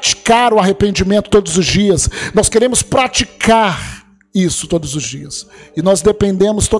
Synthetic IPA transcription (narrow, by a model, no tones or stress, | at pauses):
t͡ʃi̥kaɾʊaɦepẽnd͡ʒimẽnt̪ʊ̥t̪od̪ʊzʊzd͡ʒiɐsnɔskeɾẽmʊspɾat͡ʃikaɾ | isʊ̥t̪od̪ʊzʊzd͡ʒiɐsɪnɔzd̪epẽnd̪ẽmʊst̪o